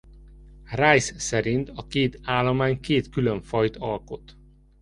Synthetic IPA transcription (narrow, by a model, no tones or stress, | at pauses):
raːjssɛɾint̪ɒkeːt̪aːlːomaːɲkeːt̪kyløɱfɒjt̪ɒlko̞t̪